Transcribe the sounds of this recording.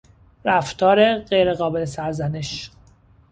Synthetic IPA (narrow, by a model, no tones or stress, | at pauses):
ɾæft̪ʰɒːɾe̞ɢejɾe̞ɣɒːbe̞lesæɾzæneʃ